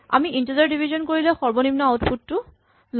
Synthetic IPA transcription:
a̰miʔintizaɹdibʱizɔnkoɹilɛxɔɹbɔnimnɔaʊtpʰutːʊ | l

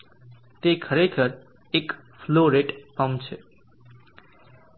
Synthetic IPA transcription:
t̪ekʰəɾekʰəɾ | ek | fʰloɾeʈpamt͡ʃʰe

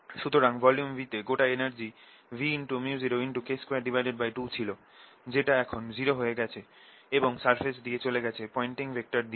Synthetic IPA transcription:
ʃut̪oɾaŋvɔljumvit̪eɡoʈaenaɾd͡ʑi | viinʈumiud͡ʑiɾoinʈukeskoejaɾɖibʱajɖeɖ̚bajʈut͡ɕʰilo | d͡ʑeʈaɛkʰond͡ʑiɾoɦoeɡɛt͡ɕʰe | eboŋsaɾfʰesd̪iet͡ɕoleɡɛt͡ɕʰepɔiɳʈiŋbek̚ʈaɾd̪i

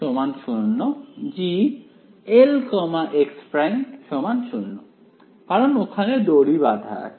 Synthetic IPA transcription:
omanʃunːod͡ʑi | elkɔmaʔekspɾanʃɔmanʃunːo | kaɾonokʰaned̪oɽibad̪ʱa̰

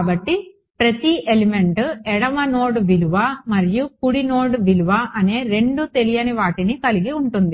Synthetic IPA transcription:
kːbɐʈːi | pɾɐt̪iʔelime̞ɳʈɛɽɐmɐnoːɽʋiluʋɐmɐɾijukuɽinoːɽʋiluʋɐʔɐne̞ːɾe̞ɳɖut̪e̞lijɐniʋaːʈinikɐliɡiuɳʈund̪i

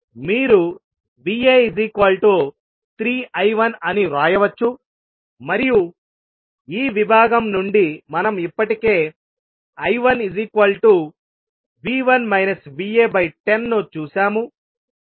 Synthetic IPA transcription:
miːɾu | ʋiːeːid͡ʒikʋɐlʈoː | t̪ɾiːʔɐjʋɐnɐniɾaːjɐʋɐt͡ʃːu | mɐɾiju | iːʋibʱaːɡɐmnuɳɖimɐnɐmipːɐʈike̞ː | ɐjʋɐnid͡ʒikʋɐlʈu | ʋiːʋɐnmɐjnɐsʋiːeːbɐjʈenːot͡ʃuːsaːmu

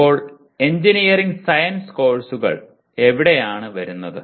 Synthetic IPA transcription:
oːɭ | e̞ɲd͡ʑinijɐriŋɡsɐjɐnsko̞ːɭsuɣɐ̰ɭ | e̞ʋiɽejaːɳɨʋɐɾunːɐðɨ

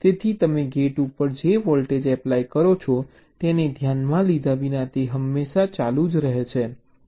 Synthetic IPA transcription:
t̪et̪ʰit̪əmeɡeʈupəɾd͡ʒeʋɔlʈed͡ʒɛplaikəɾot͡ʃʰo | t̪ened̪ʱjanmãlid̪ʱaʋinat̪eɦəmːeʃat͡ʃalud͡ʒɾəɦet͡ʃʰe

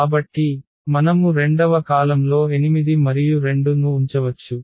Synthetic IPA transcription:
aːbɐʈːi | mɐnɐmuɾe̞ɳɖɐʋɐkaːlɐmlo̞ːe̞nimid̪imɐɾijuɾe̞ɳɖunuːɲt͡ʃɐʋɐt͡ʃːu

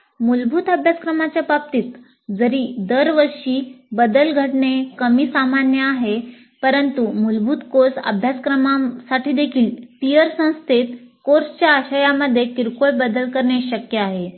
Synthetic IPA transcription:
mulbʱuːt̪əbʱjaskɾəmat͡ɕjapap̚t̪iːt̪ | d͡zəɾiːd̪əɾʋəɾɕiːbəd̪əlɡʱəʈɳekəmiːsamanjəaɦe | pəɾənt̪umulbʱuːt̪koɾsə̰bʱjaskɾəmasaʈʰiːd̪ekʰiːlt̪ijəɾsə̃w̃st̪ʰet̪koɾst͡ɕjaːɕajaməd̪ʱːjekiɾkojbəd̪əlkəɾɳaɕəkjəaɦe

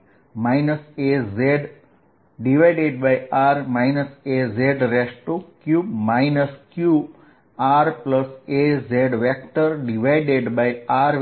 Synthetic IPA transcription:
majnəsezeɖ | ɖiʋajɖeɖ̚bajaɾmaɪnəsezeɖɾesʈukjubmaɪnəskju | aɾpləsezeɖʋek̚ʈəɾɖiʋajɖeɖbajaɾ

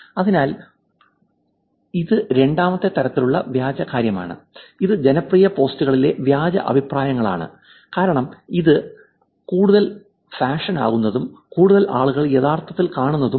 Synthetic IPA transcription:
ɐðinaːl | iðɨɾe̞ɳɖaːmɐt̪ːe̞t̪ːɐɾɐt̪ːiluɭːɐʋjaːd͡ʑɐkaːɾjɐma̰ːɳɨ̰iðɨd͡ʑenɐprijɐpo̞ːstuɣɐɭile̞ʋjaːd͡ʑɐ̰ʔɐ̰bʱipraːjɐŋːɐɭa̰ːɳɨ̰ | kaːɾɐɳɐmiðɨ | kuːɽuðɐl | faːʂɐna̰ːɣunːɐðumkuːɽuðɐlʔaːɭuɣɐɭjeðaːrt̪ɐt̪ːilkaːɳunːɐðum

